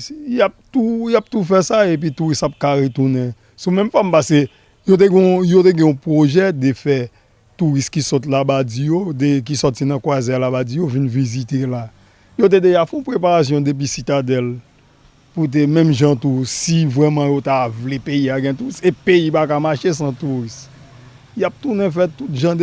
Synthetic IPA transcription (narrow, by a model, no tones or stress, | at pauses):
jap̚t̪ujap̚t̪ufɛsaep̬ɥit̪uɣistap̚kaɣet̪unɛ̃ | sũmɛ̃mfɔmpaske | jot̪̬eɡɛ̃jot̪̬eɡɛ̃ɔ̃pʁoʒɛd̪efɛ | t̪uʁist̪̚kisɔt̪̬labad͡zijod̪ek̬isɔtinɐ̃kwazɛlabad͡zijovinvizit̪ela | jot̪̬ed̪eʒafɛɔ̃pʁepaʁas̬jɔ̃d̪ep̬isit̪ad̪ɛl | put̬emɛ̃mʒãt̪usivʁɛmɑ̃jot̪avlepeiaɡɛ̃t̪uisepeipakamaʃesãt̪uʁist | jap̚t̪unɛ̃fɛt̪ut̪ʒãd